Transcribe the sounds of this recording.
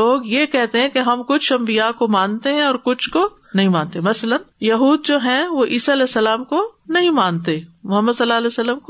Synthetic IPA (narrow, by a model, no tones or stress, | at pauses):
loːɡjekɛɦt̪eɦɛ̃keɦɐmkʊt͡ʃʰɐ̃mbijakomãːnt̪eɦɛ̃ɔːɾkʊt͡ʃʰko | nɐɦĩmãːnt̪emɐslənjɐɦuːd̪̚d͡ʒoːɦɛ̃ʋoʔiːsaɐlɛːsːɐlaːmkonɐɦĩmaːnt̪emʊɦəmːəd̪sɐlːaːɐlɛːsəlːəmko